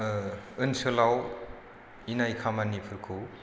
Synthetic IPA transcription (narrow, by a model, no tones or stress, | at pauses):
ɯnsɯlaw | inajkʰamanipʰɯɾkʰɯw